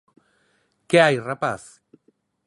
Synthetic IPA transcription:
keajrapaθ

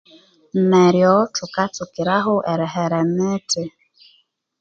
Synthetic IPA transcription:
m̩mɛɾjɔtʊkat͡sʊkiɾaɦʊʔɛɾɛɦɛɾɛmete

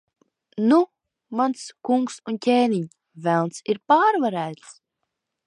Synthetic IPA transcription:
nu | manskuŋksuncʲeːniɲ | vælˠnsiɾpaːɾvaɾæːt̪s

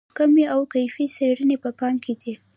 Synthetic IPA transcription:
kameawkajfiseɽənepəpɑmkʰed̪i

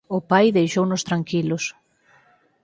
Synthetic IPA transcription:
ʊpajðejʃownʊst̪ɾaŋkilʊs

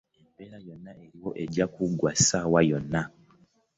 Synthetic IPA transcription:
embe̞ɾajo̞nːaʔe̞ɾiwo̞ʔe̞ɟakuɡwasawajo̞nːa

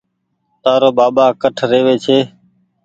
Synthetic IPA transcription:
t̪aːɾoːɓaːɓaːkəʈʰɾeːʋeːt͡ʃʰeː

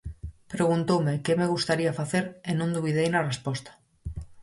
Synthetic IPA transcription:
pɾeɣ̞unt̪owmekemeɣ̞ust̪aɾiafaθeɾenõnd̪uβ̞iðejnarespɔst̪ḁ

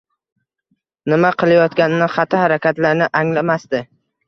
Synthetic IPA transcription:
nɪmaqʰɨlˠajɒt̪kʲanɪnɪχɑt̪ʰɪhaɾakʲat̪laɾnɪʔaŋlamasd̪ɪ

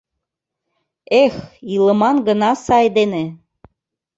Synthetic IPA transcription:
exilə̆mɑnɡə̆nɑsɑjd̪enĕ

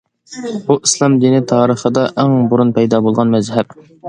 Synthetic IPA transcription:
buʔislˠɑmd̪inɪt̪ʰɑːɾəχəd̪ɑʔæŋbuɾunpɛjd̪ɑbolˠʁɑnmɛzɦɛp̚

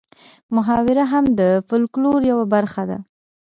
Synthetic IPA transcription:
mʊɦɑwɪɾaɦamd̪əfʊlkloɾjawabaɾxad̪a̰

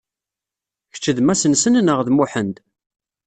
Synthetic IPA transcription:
ç̥t͡ʃːəðmæsənsənnəʁðmʊħənd̪

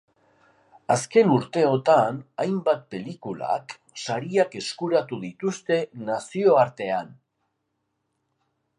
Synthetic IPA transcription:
aske̞nuɾt̪e̞o̞t̪anajmbat̪̚pe̞likula̰k | saɾiake̞skuɾat̪uðit̪ust̪e̞nasio̞aɾt̪e̞an

